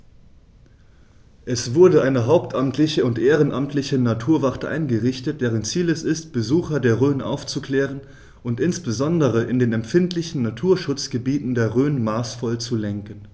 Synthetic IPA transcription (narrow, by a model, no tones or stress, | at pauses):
ʔɛsv̥ʊɐdəʔaɪnəɦaʊp̚tʰʔamtʰlɪçəʊntʔeːʁənʔamtʰlɪçənatʰuːɐvaʁtəʔa̰ɪnɡəʁɪçtət̚d̥ɛːʁənt͡siːlɛsɪst̚b̥əzuːxɐdeːɐʁøːnʔa̰ʊft͡sukl̥ɛːʁ̞ən | ʔʊntɪnsb̥əzɔndəʁ̞əʔɪndeːnɛmfɪntlɪçn̩ːatʰuːɐʃʊt͡sɡ̥əbiːtn̩deːɐʁøːnmaːsfɔlt͡sulɛŋkən